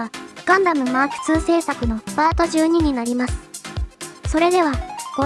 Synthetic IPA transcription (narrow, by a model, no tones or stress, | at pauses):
aɡ̥ãnd̪amɯ̟maɸɯ̟̥t͡sɨːse̞ːsakɯ̟no̞baːt̪o̞ʑɨːɲ̟iɲ̟inaɾʲimasɨ̥ | so̞ɾe̞d̪e̞βaɡ̥o